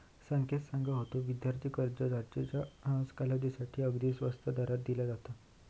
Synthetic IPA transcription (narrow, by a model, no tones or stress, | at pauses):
səŋkʰet̪sãŋɡaɦot̪oʋid̪jaɾt̪iːkəɾd͡ʑəd͡zaɾt͡ɕet͡ɕaə̃skalad͡ʑisaʈʰiːəɡd̪iːsʋəst̪ʰəd̪aɾat̪̚d̪ilad͡zat̪a